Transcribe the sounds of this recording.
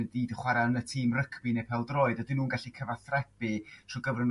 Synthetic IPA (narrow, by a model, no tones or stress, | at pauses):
əndiːdəχwaɾaənətʰiːmrəkʰbinepʰɛlˠdroːɨdɔdɪnuːnɡaɬikʰəvaθrɛpitʰroɡəvən